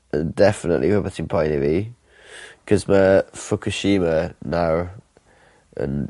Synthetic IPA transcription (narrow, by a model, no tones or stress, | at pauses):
ʔə̃ndɛfənə̰ʔlihəbətɪ̃ŋpʰɔ̃ɪ̃nɪvi | kʰəzməfʊkʰəʃiːmənaʊ | ə̰̃n